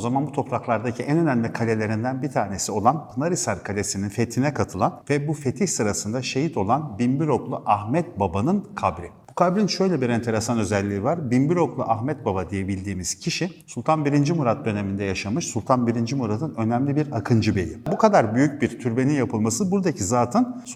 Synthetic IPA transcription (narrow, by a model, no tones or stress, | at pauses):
ozamanbut̪ʰo̞pɾaklˠaɾd̪acʰiʔɛnø̞næmlʲikʰalʲe̞lʲe̞ɾind̪ænbit̪ʰaːne̞sio̞lˠant̪ʰɯnaɾisaɾkʰalʲe̞sininfe̞t̪ʰinɛkʰat̪ʰɯlˠanvɛbufe̞t̪ʰiçsɯɾasɯnd̪aʃe̞hit̪ʰo̞lˠanbimbiɾo̞klˠuʔaxmɛt̪̚babanɯnkʰabɾʲib̥ukʰabɾinʃø̞jlʲɛbiɾɛnt̪ʰe̞ɾesanø̞zɛlʲːiːvaɾbimbiɾo̞klˠuʔaxmɛt̪̚babad̪ije̞bilʲd̪iːmiz̥cʰiʃisulˠt̪ʰanbiɾind͡ʒimuɾat̪̚d̪ø̞ne̞mind̪ɛjaʃamɯʃsulʲˠt̪ʰanbiɾind͡ʒimuɾat̪ʰɯnø̞nɛmlʲibiɾakʰɯnd͡ʒɯbe̞̰jḭbukʰad̪aɾbyjycbiɾt̪ʰyɾbe̞ninjapʰɯlˠmasɯbuɾd̪acʰizaːt̪ʰɯn